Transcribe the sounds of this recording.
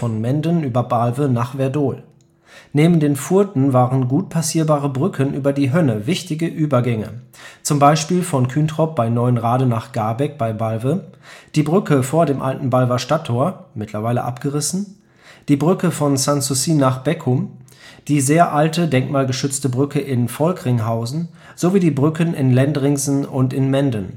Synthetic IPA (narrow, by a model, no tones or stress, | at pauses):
fɔnmɛndənyːbɐbalvənaːχv̥ɛɐdoːl | neːbn̩deːnfuɐtn̩vaːʁənɡuːt̚pʰasiːɐbaːʁəbʁʏkʰənʔyːbɐdiːɦœnəvɪçtɪɡəʔyːbɐɡɛŋə̰t͡sʊmbaɪʃpiːlfɔnkʰyːntʁ̥ɔp̚b̥aɪnɔʏənʁaːdənaːχɡ̥aɐbɛk̚b̥aɪbalvəd̥iːbʁʏkəfoːɐdeːmʔa̰ltn̩balvɐʃtatʰːoːɐmɪtʰlɐvaɪlə̰ʔapɡ̥əʁɪsn̩ | d̥iːbʁʏkəfɔnsansusiːnːaːχb̥ɛkʰʊm | d̥iːzeːɐʔaltədɛŋkmaːlɡəʃʏt͡stəbʁʏkʰəʔɪnfɔlkʁɪŋɦaʊzn̩ | z̥oviːdiːbʁʏkʰənɪ̰nlɛndʁɪŋzn̩ʊntɪnmɛndən